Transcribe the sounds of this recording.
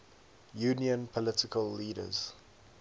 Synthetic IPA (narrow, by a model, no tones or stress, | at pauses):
juːniə̃npʰɔlɪtɪkʰəlːiːɾə̰z̥